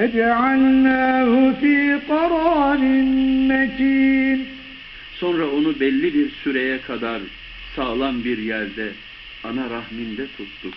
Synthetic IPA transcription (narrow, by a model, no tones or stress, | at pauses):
ad͡ʒaʕalnaːɦhʊfiːqɑɾˤɑːnɪnmɛk̪ʰiːn | so̞nɾao̞nubɛlʲːibiɾsyɾɛjɛkʰad̪aɾ | saːlˠanbiɾjæɾd̪ɛ | anaɾahmind̪ɛt̪ʰut̪ːu